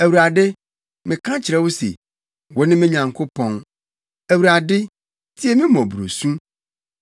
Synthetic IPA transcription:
æ˨wu˨ɾa˨dɪ˦ | mɪ̃˨kʰã˦t͡ɕʰɪ˨ɾɛ˦wo˦sḛ˨ | wɔ˨˦nɪ̃˦mɪ̃˦ɲã˨ŋkʰo˦pʰɔ̃˨ŋ | æ˨wu˨ɾa˨dɪ˦ | tʰi˦ɛ˨mɪ̃˦mɔ̃˨bu˨ɾo̰˨sũ˦

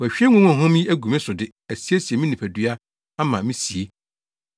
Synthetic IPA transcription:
æ˨ɕᶣɛ˦ŋʊ̃˦ʊ̃˦˨ɦʊ̃˦mĩ˦æ˦ɡũ˨mɛ̃˦sʊ˨dɪ˦ | æ˨si˦e˦si˨e˨mĩ˦nĩ˨pʰæ˨dɥa˦ | a˦mã˨mĩ˦si˨e˦

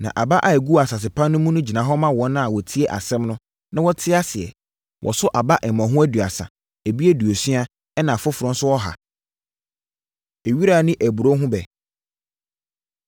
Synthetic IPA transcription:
nã̰˨ʔa˨ba˦ʔa˨æ˨ɡu˦˨a˨sa˨s̬ɪ˨pʰã˦nː˦ʊ̃˦mũ˦nʊ̃˦d͡ʑi˨nã˨ɦɔ˦mã˦wɔ̃˨˦nːʊ̃˦a˨wɔ˨tʰi˦ɛ˦ʔa̰˨sɛ̃˦mnʊ̃˦ | nã˦wɔ˦tʰɪ˦a˦sɪ˨ɛ̰˨ | wʔɔ̰˨sʊ˦ʔa˨ba˦ʔɛ˨mã˨ɦʊ̃˦æ˦du˨a̰˨sa̰˨ | æ˨bi˦e˦du˨o˨sɥa˦ | ɛ˦nã˨fʊ˦fʊ˨ɾʊ̃˦n̩˦sʊ˦wɔ˦ɦa̰˨ | e˨ɥi˦ɾaː˦˨nɪ̃˦ʔæ˨bu˨ɾo˦ɦʊ̃˦bɛ˨

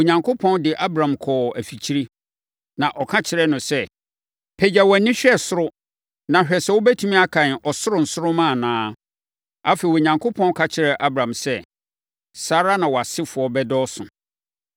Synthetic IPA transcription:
o˨ɲã˨ŋkʰo˦pʰɔ̃˦ndɪ˨ʔa˦bɾã˨mkʰɔː˨æ˨fi˨t͡ɕʰi˦ɾi˦ | nã˨ʔɔ˨kʰã˦t͡ɕʰɪ˨ɾɛ˦nʊ̃˨sɛ˦ | pʰɛ˨d͡ʑa˨wɔ˨nĩ˦ɕᶣɛ˦sʊ˦ɾʊ˦ | nã˨ɕᶣɛ˨sɛ˦wʊ˦bæ˦tʰũ˦mĩ˦a˦kʰã˨n˨ɔ˨sʊ˦ɾʊ˨n̩˨sʊ˦ɾʊ˦mãː˦˨nãː˦ | a˦fe˨i˨wo˨ɲã˨ŋkʰʊ˦pʰɔ̃˦n˦kʰa˦t͡ɕʰɪ˦ɾɛ˨ʔa˦bɾã˨msɛ˦ | saː˦ɾa˦nã˨wɔ˨a˨sɪ˦fʊ˨ɔ˦bɛ˦dɔː˦sʊ̰̃˨

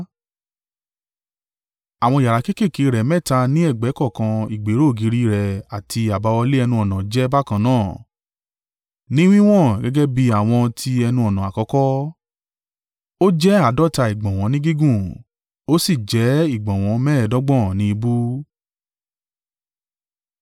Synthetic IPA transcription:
a˨w̃ɔ̃˧i˨a˨ɾa˨ke˦ke˦˨ki˨˦ɾɛ˨mɛ̃˦˨ta˧nĩ˦ɛ˦˨ɡ͡bɛ˨˦kɔ˦˨kã˧i˨ɡ͡be˨˦ɾo˦˨ɡi˨˦ɾi˦ɾɛ˨a˨tʰi˧a˨ba˨˧wɔ˧le˦ɛ˧nũ˧ɔ˨nã˨d͡ʒɛ˦ba˦˨kã˧nãː˦˨ | nĩ˦w̃ĩ˦w̃ɔ̃˦˨ɡɛ˦ɡɛ˦bi˧a˨w̃ɔ̃˧tʰi˧ɛ˧nũ˧ɔ˨nã˨a˨kɔ˧˦kɔ˦ | o˦d͡ʒɛ˦a˦˨dɔ˦ta˧i˨ɡ͡bɔ̃˨w̃ɔ̃˨˧˦nĩ˦ɡi˦ɡũ˦˨ | o˦si˦˨d͡ʒɛ˨˦i˦˨ɡ͡bɔ̃˨w̃ɔ̃˨˧˦mɛː˦ɛ˨dɔ˦ɡ͡bɔ̃˦˨nĩ˦i˧bu˦

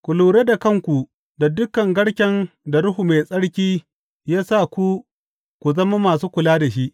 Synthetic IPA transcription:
kʷʊ˨luː˨ɽeː˦da˨kɐ˦˨ŋkʷu˨ | da˨dʊ˦kɐ˨ŋɡɐ˦ɽkʲɛ˦nda˨ɽʊ˦ɦu˨me˨sʼɐ˦ɽkʲiː˦ | jaː˦sa˦˨kʷu˦ | kʷu˨zɐ˦ma˦maː˨s̬uː˦kʷʊ˨laː˦da˨ʃi˦ʔ

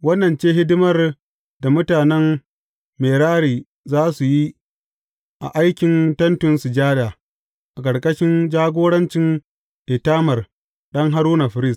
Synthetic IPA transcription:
wɐ˦nːɐ˨nt͡ʃeː˦ɦɪ˦dɪ˦mɐ˦r | da˨mʊ˦taː˨nɛ˦m | meː˨ɽaː˦ɽiː˨ | zaː˦su˨ji˦ | ʔa̰˨ʔa˦jkʲɪ˨ntɐ˦ntʊ˨nsʊ˨d͡ʒaː˦ɾjaː˨ | ʔa˨kɐ˨ɽkʼɐ˦ʃɪ˦nd͡ʒaː˦ɡʷoː˦ɽɐ˦nt͡ʃɪ˦n | ɗe˨taː˦mɐ˨r | ɗɐ˦ŋɦa˦ɾuː˦na˨ɸɪ˨ɾɪ˦˨s

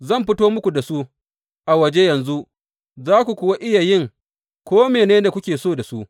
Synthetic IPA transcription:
zɐ˦˨mɸɪ˦toː˦mʊ˦kʷu˨da˨su˦ | ʔa˨wɐ˨d͡ʒe˦jɐ˨nzu˦ʔ | zaː˦kʷu˨kʷʊ˨wa˦ʔɪ˦ja˨jɪ˦˨ŋ | kʷoː˦meː˨neː˦da˨kʷʊ˦kʲeː˨soː˦˨da˨su˦ʔ

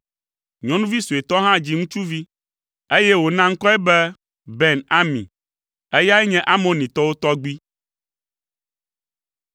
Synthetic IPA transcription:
ɲɔ̃˦nũ˦vi˦su˨e˨t̪ɔ˦ɦã˦d͡ʑi˦ŋũ˦t͡ʃu˦vi˦ | e˦jɛ˦wo˨nã˦ŋ̩˦kɔ˦ɛ˦bɛ˦ | bɛ˨na˦mḭ̃˨ | e˦ja˦ɛ˦ɲɛ̃˦ʔa˦mõ˦nĩ˨t̪ɔ˦wo˦t̪ɔ˦ɡ͡bi˦

